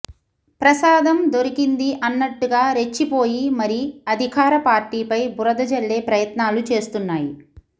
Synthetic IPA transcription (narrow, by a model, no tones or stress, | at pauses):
pɾɐsaːd̪ɐmd̪oɾikind̪iʔɐnːɐʈːuɡaːɾe̞t͡ʃːipo̞ːjimɐɾiɐd̪ʱikaːɾɐpaːɾʈiːpɐjbuɾɐd̪ɐd͡ʒɐɭːe̞ːpɾɐjɐt̪naːlut͡ʃe̞ːst̪unːaːji